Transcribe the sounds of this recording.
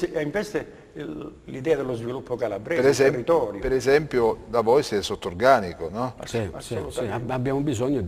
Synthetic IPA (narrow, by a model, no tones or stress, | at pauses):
siɛiɱvest̪e | lid̪ɛːad̪elozvilupːokalabɾɛːpeɾesɛmrːit̪ɔːɾjpeɾɛzɛmpjod̪avɔjsɛsot̪ːorɡaːnikonɔsasolut̪abjaːmobizɔɲːo